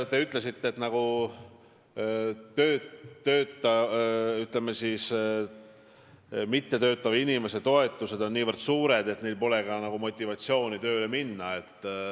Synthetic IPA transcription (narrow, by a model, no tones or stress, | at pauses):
t̪e̞yt̪ˑle̞sit̪ːeːt̪nɑɡ̥u | t̪ø̞ːø̞ːt̪ˑːɑyt̪lemːesis | mit̪ːe̞t̪ø̞ːt̪ːˑɑvinime̞se̞t̪o̞e̞t̪ːˑuse̞d̪o̞nːiːvərd̪̥suːɾe̞d̪e̞t̪nejlpo̞le̞ɡɑnɑɡ̥umo̞t̪ʲːˑivɑt̪sio̞ːnit̪ø̞ːle̞minːɑe̞t̪ːˑ